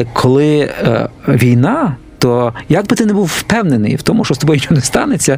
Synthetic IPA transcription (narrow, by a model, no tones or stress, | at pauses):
kʰɔlˠɪ | ʋʲijnɑt̪ɔjaɡ̚bɪt̪ɪnɛbuwwpɛwnenɪ̰jwt̪ɔmʊʃt͡ʃɔst̪ɔbɔjt͡ʃɔnɛst̪ɑnet͡sʲːɐ